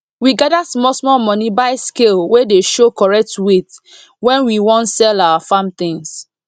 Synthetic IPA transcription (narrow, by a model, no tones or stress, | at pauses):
wiɡadasmɔsmɔmɔnibaɪskelwedeʃokɔɹɛk̚twet | wɛ̃nwiwɔ̃ntsɛlawafamt̪ɪ̃ŋs